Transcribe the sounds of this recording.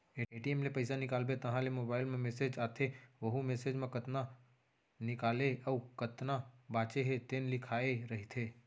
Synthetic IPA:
eːeːʈiemlepɐɪsanɪkaːlbet̪ɐɦãlemoːbaːɪlmẽmeːsed͡ʒaːt̪ʰeʋɐɦumeːsed͡ʒmẽkɐt̪na | nɪkaːleɔːkət̪nabãːt͡ʃeɦet̪eːnlɪkʰaːeɾɐɦit̪ʰeː

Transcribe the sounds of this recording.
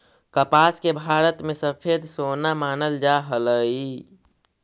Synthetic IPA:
kəpaːskebʱaːɾət̪mẽsəpʰeːd̪soːnamaːnəld͡ʒaɦələi

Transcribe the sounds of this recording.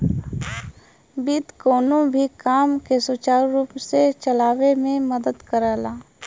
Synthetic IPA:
bit̪koːnõbʱikaːmkesʊt͡ʃaːɾɾuːpset͡ʃəlaːʋemẽməd̪əd̪kəɾaːlaː

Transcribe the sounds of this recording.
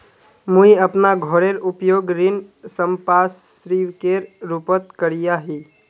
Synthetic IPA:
mũiəpnaɡʱɔɾeɾupjoɡɾinsəmpasɾiʋkeɾɾupət̪kəɾijaɦi

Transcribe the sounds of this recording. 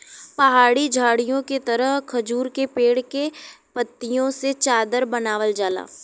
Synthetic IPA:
pɐɦaːɽid͡ʒʱaːɽijõket̪ɐɾəɦkʰɐd͡ʒuːɾkepeːɽkepət̪ːijõset͡ʃaːd̪əɾbɐnaːʋəld͡ʒaːla̰ː

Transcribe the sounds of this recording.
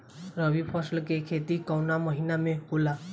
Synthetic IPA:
ɾʌbipʰɔslkekʰet̪ikawnamʌɦinamekula

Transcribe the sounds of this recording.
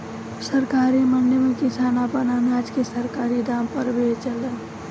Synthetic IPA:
səɾkaːɾimənɖjmẽkɪsaːnaːpənanaːd͡ʒkesəɾkaːɾid̪aːmpəɾbʱet͡ʃələn

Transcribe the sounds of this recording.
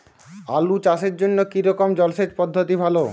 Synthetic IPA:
a̰lut͡ɕaʃeɾd͡ʑonːokiɾɔkomd͡ʑɔlʃet͡ɕpɔd̪ʱːot̪ibʱalo

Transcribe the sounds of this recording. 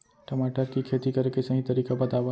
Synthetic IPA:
ʈəmaːʈəɾkikʰet̪ikəɾkesɐɦĩt̪əɾiːkabət̪abə

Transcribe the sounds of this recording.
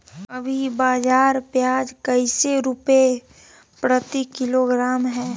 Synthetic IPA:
ɐbʱibaːd͡ʒaːɾpjaːd͡ʒkəɪseɾʊpe | pɾət̪ikɪloɡɾaːmɦɛː

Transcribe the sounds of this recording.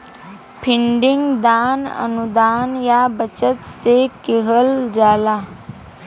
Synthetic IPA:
pʰɪɳɖɪŋɡd̪aːnə̰nud̪aːnjabət͡ʃət̪sekɪɦəld͡ʒaːlaː

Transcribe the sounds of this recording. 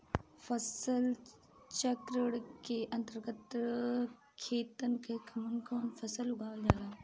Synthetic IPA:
fʰəsəl | t͡ʃɐkɾəɽkeʔɐ̃nt̪əɾɡət̪ | kʰeːt̪ənkekʰɐmənkoːnfʰəsəlʊɡaːʋld͡ʒaːɾaː

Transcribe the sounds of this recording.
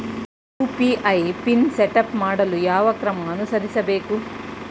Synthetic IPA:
juːpiʔɐjpinseʈɐpmaːɽɐlujaːʋɐkɾɐmɐːnusɐɾisɐbe̞ːku

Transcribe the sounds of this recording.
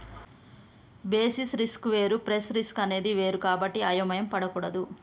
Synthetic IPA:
be̞ːsisɾiskʋeːɾupɾesɾiskɐne̞ːd̪iʋe̞ːɾukaːbɐʈːiaːjɐmɐjɐmpɐɽɐkuːɽɐd̪u

